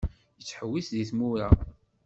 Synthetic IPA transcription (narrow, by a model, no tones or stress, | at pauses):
jət͡sːħəwːisðiθmuɾa